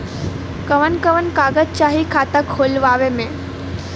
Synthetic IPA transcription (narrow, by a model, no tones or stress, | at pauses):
kəʋənkəʋənkaːɡət̪̚t͡ʃaːɦikʰaːt̪əkʰhoːlʋaːʋemẽ